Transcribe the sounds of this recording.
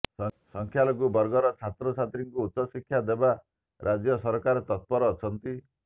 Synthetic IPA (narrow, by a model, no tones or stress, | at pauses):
sɔŋkʰjalɔɡubɔɾɡɔɾɔt͡ʃʰat̪ɾɔt͡ʃʰat̪ɾiŋkuːt̪sɔsikʰːjad̪eba | ɾʔad͡ʒjɔsɔɾɔkaɾet̪ɔt̪̚pɔɾɔːt͡ʃʰɔnt̪i